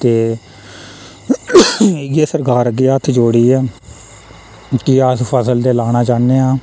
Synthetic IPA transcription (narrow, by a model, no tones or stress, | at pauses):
t̪eː | ɪɡeːsəɾkaːɾəɡeːət̪ʰːd͡ʒoːɽiːɛː | kɪət̪pʰəsəld̪eːlaːñaːt͡ʃaːnːeːãː